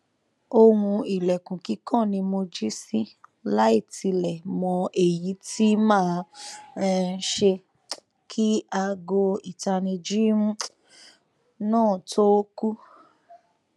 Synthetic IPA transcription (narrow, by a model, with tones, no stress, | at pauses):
o˧hũ˧i˨lɛ˨kũ˨ki˨˦kʰã˦˨nĩ˧mo˧d͡ʒi˦si˦la˦i˦˨ti˧lɛ˨mɔ̃˧ʔe˨ji˨˦tʰi˦mãː˦˨ɾɛ̃˧n̩˦ʃe˧ | kʰi˦a˧ɡo˧i˨ta˧nĩ˧d͡ʒi˦mũ˦ | nãː˦˨tʰo˦ku˦